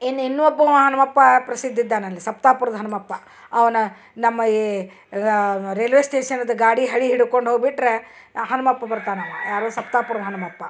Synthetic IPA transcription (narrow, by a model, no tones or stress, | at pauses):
enːinːuɔbːɐɦɐnɐmɐpːɐpɾɐsid̪ʱːid̪ːaːnɐlːisɐpt̪aːpuɾɐd̪ɐɦɐnɐmɐpːɐ | ɐʋɐnɐ | nɐmːɐi | ɾelʋesʈeːʂɐnɐd̪ɐɡaːɽiɦɐɭiɦiɽukoɳɖɦoːɡbiʈːɾe̞ | ɦɐnɐmɐpːɐbɐɾt̪aːnɐmːa̰jaːɾosɐpt̪aːpuɾɐd̪ɐɦɐnɐmɐpːɐ